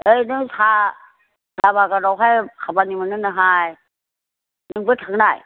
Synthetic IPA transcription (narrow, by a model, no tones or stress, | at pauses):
əjnɯŋsʰa | dabakaɾɔwɦajkʰabanimanɯnaɦaj | nɯŋbɯt̪ʰaŋnaj